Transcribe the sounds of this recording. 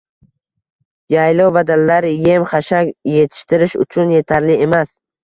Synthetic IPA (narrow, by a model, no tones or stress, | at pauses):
jajlowbad̪alːaɾɪje̞mχaʃakʲje̞t̪ʰɪ̥ʃt̪ɪɾɪʃʊ̰t͡ʃʰʊnje̞t̪ʰaɾlɪe̞mas